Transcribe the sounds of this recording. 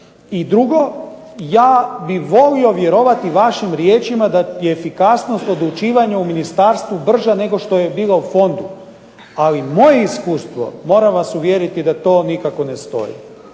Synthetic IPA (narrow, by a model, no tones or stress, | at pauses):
id̪ɾuɡo̞ | jaːbiʋo̞lio̞ʋje̞ɾo̞ʋat̪iʋaʃimɾjeːt͡ʃimad̪ajeːfikasno̞st̪o̞d̪lut͡ʃiːʋaɲauminist̪aːɾst̪ʋubr̩ʒane̞ɡo̞ʃt̪o̞je̞biːlaufo̞nd̪u | alimo̞je̞iskuːst̪ʋo̞̰mo̞ːɾamʋasuʋjeɾit̪id̪at̪o̞ːnikako̞nest̪o̞̰jḭ